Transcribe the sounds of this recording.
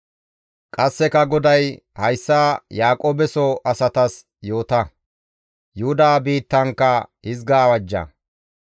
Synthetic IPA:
kʼɐsːɛkɐɡɔd̪ɐj | hɐjsːaːjaːkʼoːbɛsɔʔɐsɐt̪ɐs | jo̞ːt̪ɐ | jʊhʊd̪aːbiːt̪ːɐŋkːɐhɪzɡaːwɐd͡ʒːɐ̰

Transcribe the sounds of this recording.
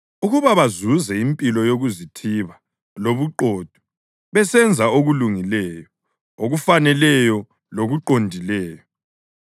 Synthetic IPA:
uɣuβaβazuzɛimpʼilɔjoɣuzitʰiβa | loβuǃoːd̥ʱu̥ | βɛsɛnd͡zʱaoɣuluŋilɛːjɔ | oɣufanɛlɛjɔ | loɣuǃondʱilɛːjɔ

